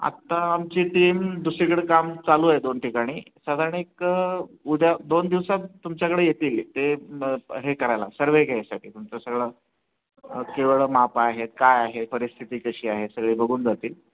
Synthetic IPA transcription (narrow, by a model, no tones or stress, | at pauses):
a̰t̪ːaːmt͡ɕiːʈiːmd̪usɾikəɽekamt͡saluːaɦed̪onʈikaɽ̃iːsad̪ʱaɾəɳek | ud̪ʱjad̪ond̪iʋsatt̪ːumt͡ɕjakəɽeːjet̪iːlt̪e | ɦekəɾajla̰səɾʋekaasaʈʰiːt̪umt͡sasəɡɭəː | keʋɭəmapaɦet̪̚kajaɦepəɾist̪ʰit̪iːkəɕiːaɦesəɡɭiːbəɡʱuːnd͡zat̪iːl